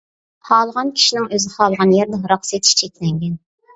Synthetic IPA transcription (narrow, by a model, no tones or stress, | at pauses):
hɑːlˠəʁɑnkʲʰi̥ʃinɪŋøzɪχɑːlˠəʁɑnjɛɾd̪ɨɦɾɑχset̪ʰi̥ʃt͡ʃʰɛkʲlɛŋɡʲɛn